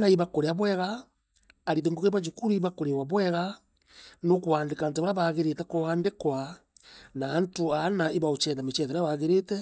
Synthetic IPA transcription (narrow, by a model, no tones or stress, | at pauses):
naiβakoɾeaβwɛɣaː | ɾiðeŋɡoɣeβad͡ʒukuɾiiβakoɾewaβwɛɣa | nokuaːndekant̬aβaɾaβaɣeɾetɛkoaːndekwa | naːntoanaiβaot͡ʃɛðamet͡ʃɛðɛɾaβaɣeɾetɛ